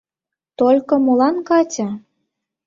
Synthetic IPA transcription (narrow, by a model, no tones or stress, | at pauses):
t̪olʲkŏmolɑnkɑtʲɑ